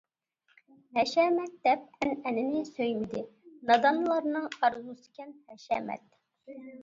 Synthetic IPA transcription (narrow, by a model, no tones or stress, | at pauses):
hɛʃɛːmɛt̪̚d̪̥ɛp̚ɛnɛnɪnɪsøjmɪd̪ɪnɑd̪ɑnlˠɑɾnɨŋɑɾzusɨ̥kʲɛnhɛʃɛ̰ːmɛ̰t̪̚